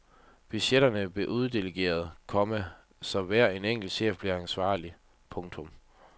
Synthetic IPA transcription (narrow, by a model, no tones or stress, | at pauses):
b̥yɕeɾ̥ɐnəb̥le̝ʔuð̞ˠd̥e̝leɡ̥e̝̰ːɐð̞̩ˠkʰɒ̽mæ | sɒ̽ʋæɐ̰e̝neŋ̰ɡ̥l̩ɕḛːfb̥liɐænsʋɑ̰̈ːli | pʰɔ̽ŋt͡sʰɔ̽m